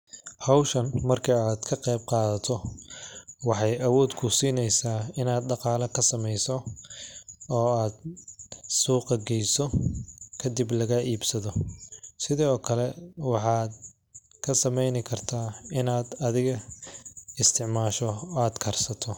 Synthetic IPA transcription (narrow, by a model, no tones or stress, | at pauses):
hɑwʃɐnmɐrkʰɐaːd̪̥kʰɐqɛjbqɑːðɐt̪ʰɔ | wɑħɑjʔɐwɔːd̪kʰʊsiːnɛjsaːɪnaːd̪ɖɑqɑːlɐkʰɐsɐmɛjsɔ | ɔːaːd̪ | suːqɑɡɛjsɔkʰɐd̪ɪblɐɣɐʔiːbsɐðɔsɪðɔːkʰɐlɛwɑħɑːd̪ | kʰɐsɐmɛjnɪkʰɐrt̪ʰaːɪnaːd̪ɐðɪɣɐ | ɪst̪ʰɪʕmaːʃɔaːd̪kʰɐrsɐt̪ʰɔ